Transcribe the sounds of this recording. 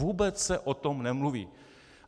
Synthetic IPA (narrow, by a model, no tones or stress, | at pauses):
uːbɛt͡ssɛʔot̪omnɛmluvḭː